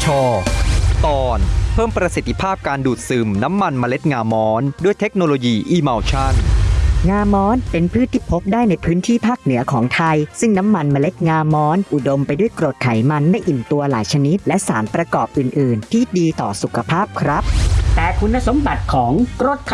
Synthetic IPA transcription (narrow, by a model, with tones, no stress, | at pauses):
t͡ɕʰɔː˧t̪ɔː˧npʰɤː˥˩mpɾa˧si˨˩t̪ʰːi˧˥pʰaː˥˩p̚kaː˧nduː˨˩t̪̚sɯː˩mna˦˥mːa˧nma˧le˦˥t̪̚ŋaː˧mɔː˦˥ndu˥˩əjt̪ʰe˦˥k̚noː˧loː˧jiː˧ʔiː˧ma˧wt͡ɕʰa˦˥˩t̪ŋaː˧mɔː˦˥npe˧npʰɯː˥˩t̪ʰːiː˥˩pʰo˦˥p̚daː˥˩jna˧jpʰɯː˦˥nt̪ʰiː˥˩pʰaː˥˩k̚nɯ˩˦ɐkʰɔː˩˦ŋt̪ʰa˧jsɯ˥˩ŋna˦˥mːa˧nma˧le˦˥t̪̚ŋaː˧mɔː˦˥nʔu˨˩do˧mpa˧jdu˥˩əjkɾo˨˩t̪̚kʰa˩˦jma˧nma˥˧˩jʔi˨˩nt̪u˧ɐla̰ː˩˦jt͡ɕʰa˧ni˦˥t̪̚lɛ˦˥ʔsaː˩˦npɾa˧kɔː˨˩p̚ʔɯː˨˩nʔɯː˨˩nt̪ʰiː˥˩diː˧t̪ɔ̰ː˨˩su˨˩kʰa˧pʰaː˥˩p̚kʰɾa˦˥p̚t̪ɛː˨˩kʰu˧nːa˧so˨˩˦mba˨˩t̪̚kʰɔː˩˦ŋkɾo˥˩t̪̚kʰ